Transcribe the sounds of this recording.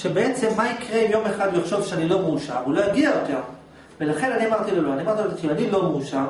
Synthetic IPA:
ʃebeet͡se̞mːaikʁeimjo̞meχad̪liχʃo̞vʃeanilo̞meuʃa̰vulo̞jaɡiajo̞t̪eʁ | ve̞laχe̞naniamaʁt̪iloloaniamaʁt̪ilotianilo̞meuʃaʁ

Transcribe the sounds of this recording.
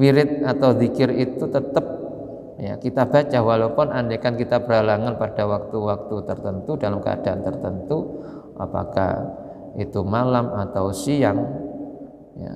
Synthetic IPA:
miɾɪt̪̚at̪awd̪ikɪrit̪ut̪ət̪əp̚ | ja̰kit̪ab̥a̤t͡ʃahwalapʊnandekankit̪abəɾɦalaŋanpad̥awak̚t̪uwak̚t̪ut̪ərt̪ənt̪udalamkə̰a̰d̥aʔant̪ərt̪ənt̪u | ʔa̰pa̰ka̰h | it̪umalamat̪awsiaŋ | ja̰

